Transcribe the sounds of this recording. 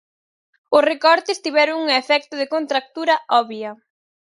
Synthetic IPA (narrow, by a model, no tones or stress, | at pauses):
ʊsrekɔɾt̪ɪst̪iβɛɾʊŋuŋefɛk̚t̪ʊðɪkont̪ɾak̚t̪uɾɐʔɔβjɐ